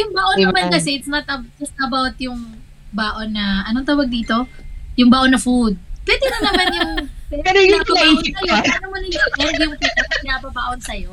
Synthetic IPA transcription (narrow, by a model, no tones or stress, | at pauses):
jʊŋbaːʔonɐmankɐsɛʔɪt̪snɐt̪̚ɐbd͡ʒɐst̪ɐbawt̪jʊŋ | baːʔonːɐʔɐnoŋt̪aːwɐɡ̚d̪iːt̪o̞jʊŋbaːʔonɐfud̪̚pwɛːd̪ɛnɐnɐnmanjʊŋpɛɐnɐɐaːosɐjoɐlɐmonɐoʔɛɾɐd̪jʊŋp̪ɛt̪ɐpɐkɪnabɐbaːʔonsɐjo̞